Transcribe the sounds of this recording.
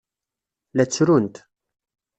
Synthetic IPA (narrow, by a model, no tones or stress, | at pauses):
læt͡sːɾunt̪